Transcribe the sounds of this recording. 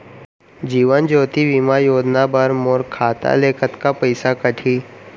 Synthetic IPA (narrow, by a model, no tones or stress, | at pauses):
d͡ʒiːʋənd͡ʒoːt̪iʋimajoːd͡ʒnabəɾmoːɾkʰaːt̪a̰leːkʰət̪kapəɪsakəʈʰiː